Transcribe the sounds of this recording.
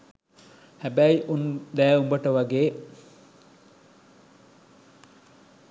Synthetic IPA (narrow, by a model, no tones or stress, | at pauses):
hæbæiʔund̪æːumbəʈəʋaɡeː